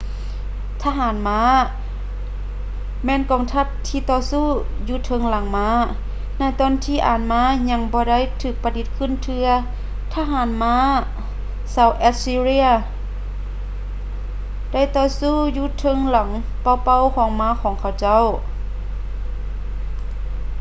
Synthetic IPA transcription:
t̪ʰaː˧ɦaː˨˦nmaː˧˥ | mɛː˧˥˨nkɔː˧˨ŋt̪ʰa˧˥˩p̚t̪ʰːiː˧t̪ɔː˧suː˧˥˩juː˧t̪ʰɤ˧˥ŋla˨˦ŋmaː˧˥ | na˧˩˨t̪ɔː˧˨nt̪ʰiː˧˨ʔa̰ː˨˩nmaː˧˥ɲa˧˩ŋbɔː˧da˥˨jt̪ʰɯː˧˩k̚pa˧di˧t̪̚kʰɯ˧˥˨nt̪ʰɯ˧ɐ | t̪ʰaː˧ɦaː˨˦nmaː˧˥ | sa˧˩wʔɛː˧˥t̪̚si˧˥ɾi˧˥ɐ | da˧˥˨jt̪ɔː˧suː˧˥˨juː˧˥t̪ʰɤ˧˥ŋla˨˩˦ŋ | pa˧wpa˧˨wkʰɔː˨˦ŋmaː˧˥˨kʰɔː˨˩˦ŋkʰa˧˩wt͡ɕa˧˥˨w

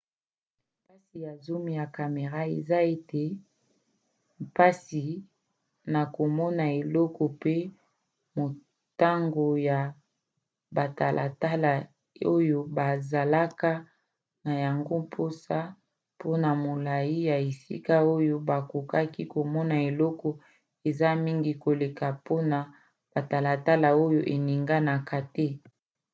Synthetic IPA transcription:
mpa˦si˨ja˨zo˦mi˨ja˨ka˨me˨ʁa˦e˨za˦e˦te˨ | mpa˦si˨ | na˨ko˨mɔ˦na˨e˨lɔ˦kɔ˨pe˦ | mo˨ | ta˦ŋɡo˨ja˨ | ba˨ta˨lʔa̰˨ta˦la˨ | o˦jo˦ba˨za˨la˦ka˦ | na˨ja˨ŋɡo˦mpʰo˦sa˦ | po˦na˨mo˨la˨ji˦ja˨e˨sḭ˦ka˦o˦jo˦ba˨ku˨ka˦ki˦ko˨mɔ˦na˨e˨lɔ˦kɔ˨ | e˨za˦mi˦ŋɡi˨ko˨le˨ka˨po˦na˨ | b̥a˨ta˨la˨ta˦la˨o˦jo˦ʔe˨ni˨ŋɡa˦na˨ka˦te˦

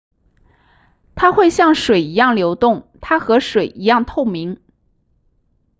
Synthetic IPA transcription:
t̪ʰa˥xwe˥˧ɪɕjɑ˥˩ŋʂwe˨˩ɪi˧˥jɑ˥˩ŋljo˧˥ʊt̪ʊ˥˩ŋt̪ʰa˥xɤ˧˥ʂwe˨˩ɪi˧˥jɑ˥˧ŋt̪ʰo˥˩ʊmi˧˥ŋ

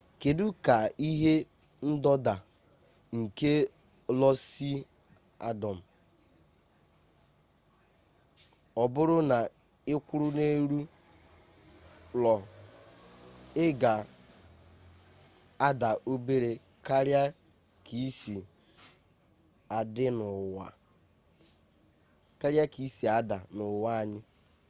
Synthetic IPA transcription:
ke˨du˦ka˨i˦ɦe˦ | n̩˦dɔ˦da˨ | ŋ̩˨ke˦ | lɔ˦si˦ | a̰˦dɔ˨m̩˨ | ɔ˨bʊ˦ɾʊ˦na˨ | ɪ˦kʷʊ˦ɾʊ˦ne˦ɾu˦ | lɔ˨ | ɪ˦ɡa˨ | a˦da˨ʔo˦be˦ɾe˨ | ka˦ɾja˦ | kʰi˨˦si˨ | a˨dɪ˦nʊ˨wa˨ | ka˦ɾja˦ki˨˦si˨a˦da˨nʊ˨wa˦a˨ɲɪ˦

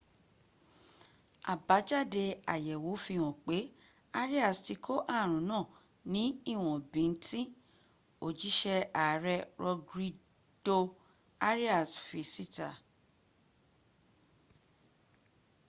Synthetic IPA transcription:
a̰˨ba˨˦d͡ʒa˦˨de˧a̰˨jɛ˨wo˨˦fi˧w̃ɔ̃˨k͡pe˨˦ | a˦ɾi˦a˦˨sti˧ko˦ʔa˦˨ɾ̃ũ˨˦nãː˦˨ | nĩ˨˦i˦˨w̃ɔ̃˨bĩ˨˦n̩˦tĩ˦ | o˨d͡ʒi˨˦ʃɛ˧a˨ɾɛ˧ɾɔ˧ɡɾi˧ | do˧ | a˦ɾi˦a˦˨sfi˨˧si˦ta˨

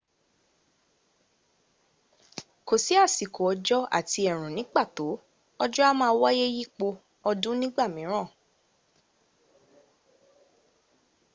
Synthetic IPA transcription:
ko˨si˨˦a˦˨si˨ko˨ɔ˧d͡ʒɔ˦a̰˦˨ti˧ɛ˨ɾ̃ũ˨nĩ˨˦ɡ͡ba˦˨to˨˦ | ɔ˦d͡ʒɔ˦a˦mãː˦˧˦wa˦je˦ji˦k͡po˧ | ɔ˧dũ˦nĩ˦ɡ͡ba˦˨mĩ˨˦ɾ̃ã˦˨

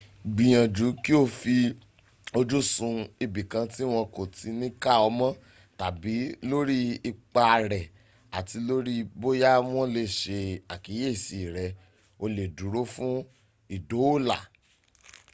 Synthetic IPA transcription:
bĩ˨j̃ã˨d͡ʒu˨˦ki˦o˦˨fi˧ | o˧d͡ʒu˦sũ˧i˧bi˨kã˧ti˦w̃ɔ̃˧ko˨ti˨˦nĩ˦ka˦˨ɔ˧mɔ̃˦ | ta˨bi˨˦lo˦ɾi˦i˧k͡pa˧ɾɛ˨ | a˨ti˧lo˦ɾi˦bo˦ja˦w̃ɔ̃˦le˦˧˨ʃe˧a˨ki˨˦je˦˨si˨ɾɛ˧ | o˧le˨du˨ɾo˦fũ˦ | i˨do˨˦o˦˨la̰˨

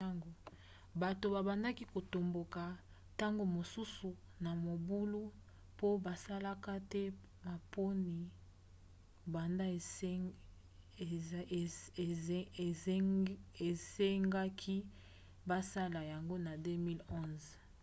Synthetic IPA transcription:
a˦ŋɡo˨ | ba˨to˨ba˨ba˨nda˦ki˦ko˨to˨mbo˨ka˨ | ta˦ŋɡo˨mo˨su˦su˨na˨mo˨bu˦lu˦ | po˦ba˨sa˦la˦ka˦tɛ˦ | ma˨po˦ni˨ | ba˨nda˦˨ | e˨˦e˨se˦ŋɡa˦kʰi˦ | ba˦sa˦la˨ja˨ŋɡo˦na˨de˦mi˦lɔ̃˦nz

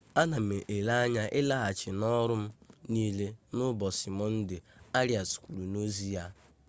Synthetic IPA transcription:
a˦na˨m̩e˨ʔɪ˨la˦ɲa˦ʔɪ˦la˦ɦa˨t͡ʃɪ˨nɔ˦ɾʊ˦m̩˦niː˦le˦nʊ˦bɔ˨sɪ˨mɔ˦n̩˦dɪ˨a˦ɾja˨su̥˨ku˨ɾu˨no˦zi˦ja˦

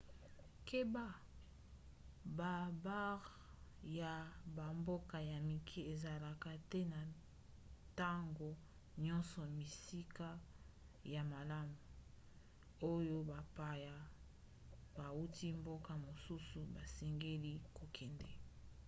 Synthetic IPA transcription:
ke˦ba˦ | ba˨ba˦ʁ | ja˨ba˨mbo˦ka˨ja˨mi˨kʰe˦e˨za˨la˨ka˨tɛ˦na˨ | ta˦ŋɡo˨ | ɲɔ̃˦nsɔ˨mi˨si˦ka˦ | ja˨ma˨la˦mu˨ | o˦jo˦ba˨pa˦ja˨ | ba˨u˦ti˦mbo˦ka˨mo˨su˦su˨ba˨sɛ˨ŋɡe˦li˦ko˨kʰɛ˨ndɛ˨

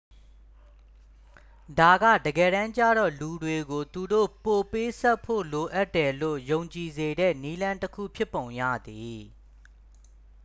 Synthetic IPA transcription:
da˨ɡä̰˦˨dəɡɛ˦˨ɾã˦ɲt͡ɕä̰˦˨ɾɔ̰˦˨lu˨dwe˨ɡo˨t̪u˨do̰˦˨po˨pe˦sa˦pʰːo̰˦˨lo˨ʔa˦tːɛ˨lo̰˦˨jõ˨ʊ̃ɲt͡ɕi˨ze˨ɾɛ̰˦˨ni˦lã˦ntəkʰṵ˦˨pʰjɪ˦pːõ˨ʊ̃jä̰˦˨d̪i˨

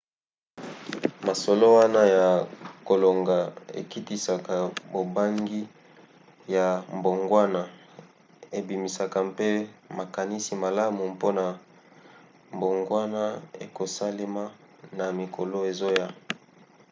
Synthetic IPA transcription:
ma˨so˨lo˦wa˦na˦ja˨ko˨lo˨ŋɡa˨ḛ˨ki˦ti˦sa˨ka˨bo˨ba˦ŋɡi˦ | ja˨mbo˨ŋɡwa˦na˨ | e˨bi˨mi˨sa˨ka˨mpe˦ma˨ka˨ni˦si˨ma˨la˦mu˨mpo˦na˨ | mbo˨ŋɡwa˦na˦ḛ˨ko˨sa˦li˦ma˦ | na˨mi˨kʰo˨lo˦e˨zo˦ja˦

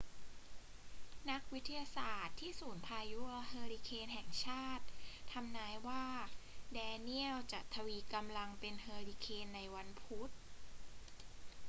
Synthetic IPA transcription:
na˦˥k̚wi˦˥t̪ʰːa˧jaː˧saː˨˩t̪ʰːiː˥˩suː˨˩npʰaː˧ju˦˥˧hɤː˧ɾiː˧kʰeː˧nɦɛ˨˩ŋt͡ɕʰaː˥˩t̪̚t̪ʰːa˧mnaː˦˥jwaː˥˩kdɛː˧ni˥˩əwt͡ɕa˨˩t̪ʰa˧wiː˧˥ka˧mla˧ŋpe˧nhɤː˧ɾi˧kʰeː˧nːa˧jwa˧npʰu˦˥t̪̚

